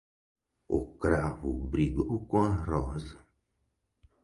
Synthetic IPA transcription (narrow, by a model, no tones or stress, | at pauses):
o̰kɾavṵbɾiɡokõarɔzɐ